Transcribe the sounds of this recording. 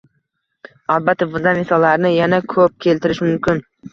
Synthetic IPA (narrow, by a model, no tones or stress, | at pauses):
alˠbat̪ʰːabʊanmɪsɒlːaɾnɪjanakʰɵp̚kʲʰe̞lt̪ɪɾɪʃmʊmkʲʰɪn